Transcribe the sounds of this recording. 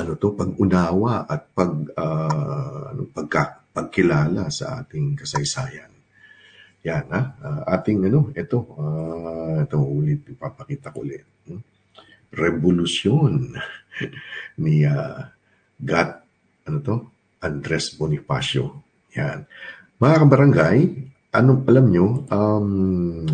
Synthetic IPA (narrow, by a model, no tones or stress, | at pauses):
ʔɐnot̪o̞pɐɡ̚ʊnaːwɐʔɐt̪̚pɐɡ̚a | ɐ̰no̰pɐɡ̚kapɐɡ̚kɪlaːlasɐ̰ʔa̰ːt̪ɪŋkɐsɐjsaːjɐn | janaʔaʔaːt̪ɪŋɐno̞ʔɛt̪o̞aɛt̪o̞huːlɪt̪̚ɪɡ̚papɐkiːt̪ɐkoʔlɛt̪̩̚ | ɾɛbolʊsjon | nia | ɡat̪̚ | ʔɐnot̪o̞ | ʔɐnd̪ɾɛsbonɪfa̰sjo̰ | jan | mɐŋakɐbɐɾɐŋɡaj | ʔɐnoʔɐlɐmɲo̞ʔam